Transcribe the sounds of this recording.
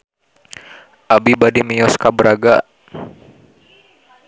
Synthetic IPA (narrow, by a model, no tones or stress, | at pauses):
ʔabibadimijɔskabəɾaɡa